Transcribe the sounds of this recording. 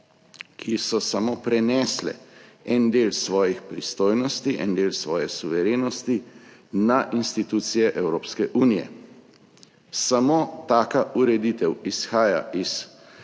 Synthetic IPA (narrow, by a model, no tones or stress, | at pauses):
kʰisɔsamoːpɾɛnɛːslɛ̰ɛnd̪eːlsʋɔːjixpɾist̪oːjnɔst̪iʔɛ̰nd̪eːlsʋɔːjɛsuʋɛɾeːnɔst̪inaʔinst̪it̪uːt̪sijɛʔɛwɾoːpskɛʔuːnijɛ̰ | samoːt̪aːkaʔuɾɛd̪iːt̪ɛwisxaːja̰ʔis